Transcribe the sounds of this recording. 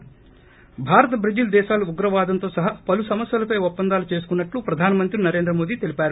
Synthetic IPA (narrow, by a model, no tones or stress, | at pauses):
bʱaːɾɐt̪ɐbʱɾid͡ʒild̪ɛːʃaːluuɡɾɐʋaːd̪ɐnt̪o̞ːsɐɦɐpɐlusɐmɐsjɐlɐpɐjɔpːɐnd̪aːlut͡ʃe̞ːs̬u̥kunːɐʈlupɾɐd̪ʱaːnɐmɐnt̪ɾinɐɾend̪ɾɐmo̞ːd̪iːt̪e̞lipaːɾu